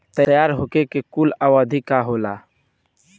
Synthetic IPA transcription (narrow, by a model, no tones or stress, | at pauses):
t̪əjaːɾɦoːkekekuːlaːwaːd̪ʱikaɦoːlaː